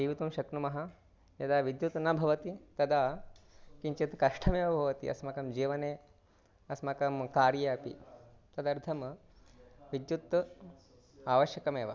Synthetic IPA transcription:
iʋit̪uːmʃɐknumɐɦa | jɐd̪aʋid̪jut̪nabʱɐʋɐt̪it̪ɐd̪a | kiɲt͡ʃet̪kɐʂʈʰɐmeːʋɐbʱɐʋɐt̪ḭʔɐ̰smɐkɐmd͡ʒiːʋɐneː | ɐsmɐkɐmkaːɾjɐɐpḭ | t̪ɐd̪ɐɾd̪ʰɐm | ʋid̪jut̪ː | aːʋɐʃjɐkɐmeːʋɐ

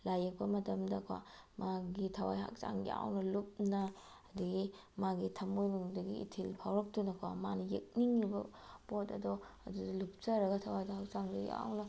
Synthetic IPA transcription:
lajek̚pɐmɐtɐmdɐkʰwa̰maɡitʰɐwa̰jɦa̰k̚sa̰ŋja̰wnɐlup̚nɐː | duɡi | maɡitʰɐmojnuŋdɐɡiḭtʰilpʰawɾɐk̚tunɐkʰwa̰manɐjek̚niŋːibɐpotɐ̰dɔɐdudɐlup̚t͡ʃɐɾɐɡɐtʰɐwajdɐhak̚saŋduja̰wnɐ

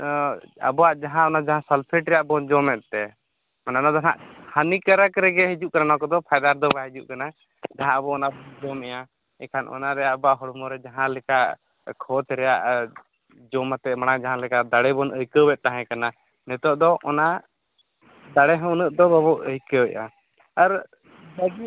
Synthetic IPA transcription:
a̰bɔwaʔd͡ʒaɦãɔnad͡ʒaɦãsəlpʰɛʈɾɛjaʔbɔnd͡ʒɔmɛt̪̚t̪ɛ | mananɔd̪aɦã̰ʔhanikəɾəkɾɛɡɛɦid͡ʒuʔkananɔ̃kɔd̪ɔpʰajd̪aɾd̪ɔbaɦid͡ʒuʔkana | d͡ʒaɦãəbɔɔnabɔnd͡ʒɔmɛjã | ɛkʰanʔɔ̰naɾɛjaʔbaʔɦɔɽumɔɾɛd͡ʒaɦãlɛkaʔ | kʰɔt̪ɾɛja̰ʔ | d͡ʒɔmat̪ɛmaɽ̃ad͡ʒaɦãlɛkad̪aɽɛbɔnəjkəwɛʔ̪̚t̪ːaɦɛ̃kana | nɛt̪ɔʔd̪ɔʔɔna | d̪aɽɛɦə̃wnəʔ̪̚d̪ɔbabɔʔəjkəɔja̰ | aɾ | baɡi

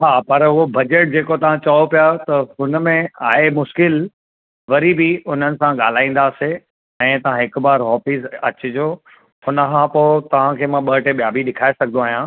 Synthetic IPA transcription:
ɦaːpɐɾɦʊɦobɐd͡ʑeːʈ̚d͡ʑeːkot̪ɐʋ̤ãt͡ɕɐɦopijat̪ɐɦʊnə̆mẽaːemʊʃkɪl | ʋɐɾibʱiʊn̤ənɪ̆sãɠaːl̤aːĩːn̆d̪aːse | ɛ̃ːt̪ɐʋ̤ãɦɪkbaːɾɦɔːfiːzɐ̰t͡ɕɪd͡ʑoː | hʊnəkʰãpoːt̪ɐʋ̤ãkʰeːmãɓɐʈeɓijaːbʱiɗɪkʰaːesɐɡʱnoaːɦijã

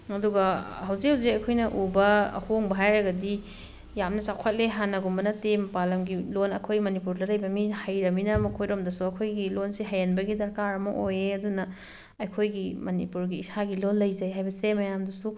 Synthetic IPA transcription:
ɐduɡɐhɐwzik̚hɐwzikɐjkʰojnɐʔubɐɐ̰hoŋbɐɦajɾɐɡɐdi | jamnɐsawkʰat̚leɦanɐɡumbɐnɐtempalɐmɡilonɐkʰojmɐnipuɾdɐlɐjbɐmihɐjɾɐminɐmɐkʰojɾomdɐsuɐkʰojɡilonsiɦajanbɐɡidɐɾkaɾɐmɐʔojeɐdunɐ | ɐjkʰojɡimɐnipuɾɡiːsaɡilonlːɐjzɐjɦajbɐsemɐjamdɐsu

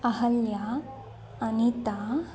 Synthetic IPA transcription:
ɐhɐljaː | nit̪a

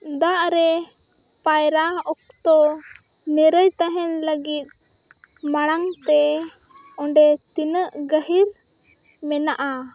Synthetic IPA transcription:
d̪aʔɾɛ | pajɾaɔk̚t̪ɔ | nɛɾəjt̪aɦɛnləɡit̪̚ | maɽ̃aŋt̪ɛ | ɔɳɖɛt̪inəʔɡəɦiɾ | mɛnaʔa

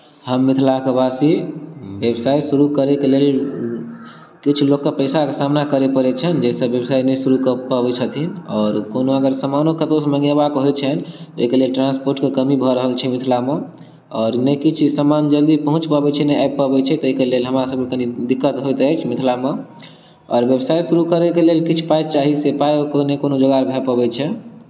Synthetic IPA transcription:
həmːit̪ʰlakebasibebsaisuɾukəɾekelel | kit͡ʃʰlokːepəɪsakesamnakəɾepəɾet͡ʃʰənd͡ʒesəebsainɛsuɾukəpəbɛt͡ʃʰət̪ʰinɔːɾkonoəɡəɾsəmanokət̪osmə̃ŋɡebakɦojt͡ʃʰənt̪oekelelʈɾãnspoɾʈkekəmibʱɔɾəɦəlt͡ʃʰɛmit̪ʰlame | ɔːɾnɛkit͡ʃʰsəmand͡ʒəld̪ipəɦũt͡ʃpabɛt͡ʃʰɛnɛapːəbɛt͡ʃʰɛt̪ɔeikelelɦəmɾasəb̚kekənid̪ikːət̪ɦojt̪əjt͡ʃʰmit̪ʰlamẽ | ɔ̰ːɾbebsajsuɾukəɾɛkelelkit͡ʃʰpajt͡ʃaɦisepajokonekonod͡ʒoɡaɾbʱɛpəbɛt͡ʃʰɛ

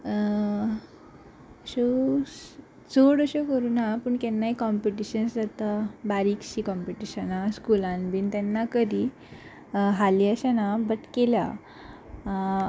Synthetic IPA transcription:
ɕo | d͡zoɽəɕekəɾuːnapəɳkɛnːaikɔmpiʈiɕənsd͡zat̪abaɾikɕikɔmpiʈiɕənaskulãnbint̪ɛnːakəɾi | ɦaliəɕanabəʈkelja̰

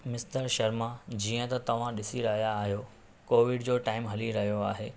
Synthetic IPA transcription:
mɪst̪əɾʃɐɾmad͡ʑiːə̃t̪ɐt̪ɐʋ̤ãɗɪsiɾɐɦijaːɦijo | koːʋɪɖd͡ʑoːʈaːɪmɦɐliɾɐɦijoaːɦeː

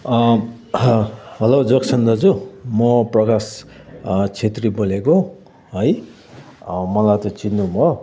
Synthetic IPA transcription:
ʌ | ɦʌlod͡zʌksʰʌnd̪ʌd͡zumʌprʌkas | t͡sʰet̪riboleko | ɦʌj | mʌlajt̪ʌt͡sinːubʱʌ

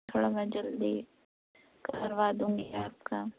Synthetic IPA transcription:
kʰəɽamãd͡ʒəld̪i | kaːɾʋaːd̪ũːŋɡeaːpka

